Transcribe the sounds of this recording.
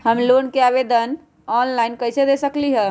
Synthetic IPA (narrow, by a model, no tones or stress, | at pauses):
ɦəmlonkeabed̪ən | ɔnlainkəjsed̪esəkliɦɛ̃